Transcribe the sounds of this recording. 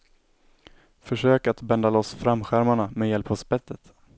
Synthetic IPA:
fœʂøːkat̪bɛnd̪alɔsfɾamɧæɾmaɳamejɛlphɔsbɛt̪ːət̪

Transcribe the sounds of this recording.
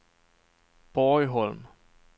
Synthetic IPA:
b̥ɔjɦɔlm

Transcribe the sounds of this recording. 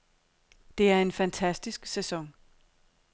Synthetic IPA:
d̥e̝æɐe̝nfænt͡sʰæsd̥isɡ̥sesɒ̽ŋ

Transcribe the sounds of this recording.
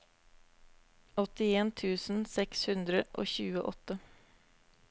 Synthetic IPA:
ɔt̪ɪeːnt̪ʰʉːsn̩sɛkshʉnd̪ɾəʔo̰ːçʉːəʔɔt̪ə

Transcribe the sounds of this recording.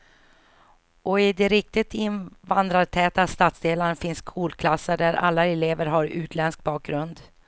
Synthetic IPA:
ʔɔɪd̪ɛɾɪk̚t̪ɪt̪ʰɪnvand̪ɾat̪ʰɛːt̪ast̪aːt̪sd̪eːlaɳfɪnskʰuːlkʰlasːəɖæɾʔa̰lːaɛleːvəɾɦaɾʉ̟ːt̪ʰlɛnsk̚bɑːk̚ɡɾɵnd̪

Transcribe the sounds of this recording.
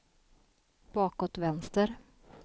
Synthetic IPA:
b̥ɑːkɔt̪ʋɛnst̪əɾ

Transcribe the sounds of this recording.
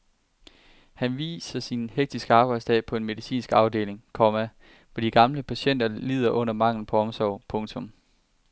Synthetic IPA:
hænʋḭːsɐsinheɡ̥̚d̥isɡ̥əɑ̈ːb̥ɑ̈ɪd̥sd̥ɛ̰ːpʰɒ̽e̝nme̝ðˠisḭːnsɡ̥ɑ̈ʊde̝̰ːle̝ŋkʰɒmæ | ʋɒd̥iɡ̥ɑ̈mləpʰæɕen̰d̥ɐliːð̞̰ˠɐʔɔ̽n̰ɐmɑ̈ŋ̰ln̩pʰɒ̽ɒ̽msɒʊ̰pʰɔ̽ŋt͡sʰɔ̽m

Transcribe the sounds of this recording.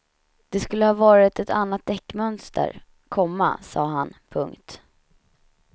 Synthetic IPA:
d̪̥ɛskɵlːəhɑːvɑːɾɪt̪ʰɛt̪ʰanːat̪̚d̪ɛkːmœnst̪ə̰ɾ | kʰɔmːa̰sɑ̰ːɦanpʰɵŋkt̪

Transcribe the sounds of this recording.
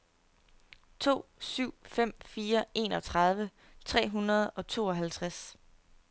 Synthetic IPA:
t͡sʰo̝̰ːsyʊ̰fem̰fiːɐe̝ːnɒ̽t͡sʰʁɑð̞ˠʋə | t͡sʰʁɛ̰ːɦunɐð̞̩ˠɒ̽t͡sʰo̝̰ːɒ̽ɦælt͡sʰʁas

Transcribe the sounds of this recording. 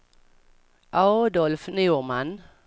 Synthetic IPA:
ʔad̪ɔlfnʉːman

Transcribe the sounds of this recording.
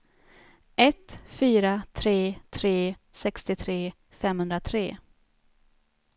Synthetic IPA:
ʔɛt̪fyːɾat̪ʰɾeːt̪ʰɾeːsɛkst̪ɪt̪ʰɾeː | fɛmhɵnd̪ɾat̪ʰɾḛː

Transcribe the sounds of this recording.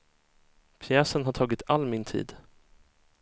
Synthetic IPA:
pʰjɛːsənɦaʈʰɑːɡɪt̪ʰalːmɪnt̪ʰḭːd̪

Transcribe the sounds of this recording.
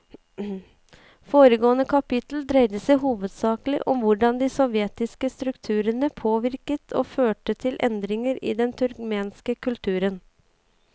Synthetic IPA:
foːɾəɡoːənəkʰɑpɪt̪l̩d̪ɾɛɪd̪əsɛɦuːʋəd̪sɑːkəlɪ̰ʔɔmʋʊɖɑnd̪ɪsɔʋjɛt̪ɪskəst̪ɾʉkt̪ʰʉːɾənəpʰoːʋɪɾkət̪ʰo̰ːføːʈət̪ʰɪlʔɛnd̪ɾɪŋəɾɪ̰ːd̪ɛnt̪ʰʉɾkmeːnskəkʰʉlt̪ʰʉːɾən

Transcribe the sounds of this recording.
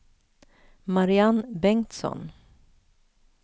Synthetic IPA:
maɾɪanbɛŋt̪sɔ̰n

